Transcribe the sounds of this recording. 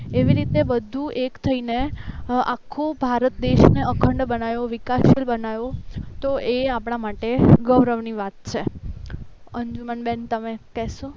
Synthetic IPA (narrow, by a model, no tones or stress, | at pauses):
eʋiɾit̪ebəd̪ʱuʔekt̪ʰəinea̰kʰːobʱaɾət̪̚d̪eʃneəkʰəɳɖbənajoʋɪkaʃilbənajot̪oʔeapɽ̃amaʈeɡəʋɾəʋniʋat̪̚t͡ʃʰe | əɲd͡ʒumənbɛnt̪əmekɛso